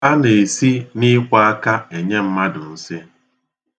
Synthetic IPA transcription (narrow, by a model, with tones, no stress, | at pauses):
a˦ne˨si˦ni˦kʷa˦a˦ka˦e˨ɲe˦m̩˦ma˦dʊ˨n̩˦sɪ˦